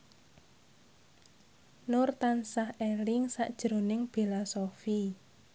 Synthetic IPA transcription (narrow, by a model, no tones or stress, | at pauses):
nʊrt̪ansahelɪŋsa̰ʔd̥ʒ̥ɾo̤nɪŋb̥elasofi